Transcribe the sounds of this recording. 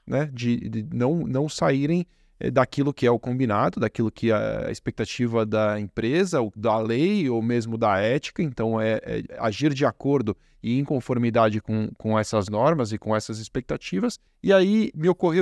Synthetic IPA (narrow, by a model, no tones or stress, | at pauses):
nɛd͡ʒɪɪnɐ̃w̃nɐ̃w̃saiɾẽj̃ | ɛ̰d̪akilʊkɪɛʊkõbinad̪ʊd̪akilʊkʰɪɛɐ̰ɐ̰ispek̚t̪at͡ʃivɐd̪ɐẽpɾezɐod̪ɐlejomezmʊd̪ɐɛt͡ʃi̥kɐẽnt̪ɐ̃w̃ɛɛ̰a̰ʒiɾd͡ʒɪakoɾd̪ʊ | ɪẽj̃kõfoɾmid̪ad͡ʒɪkõw̃kõɛsɐznɔɾmɐzɪkõɛsɐzɪspek̚t̪at͡ʃivɐs | ɪaimɪokohe